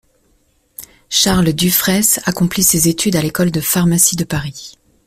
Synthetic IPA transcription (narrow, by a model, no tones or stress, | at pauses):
ʃaʁld̪yfχɛsakɔ̃plisezet̪ʰyd̪alekɔld̪əfaʁmasid̪əpaʁi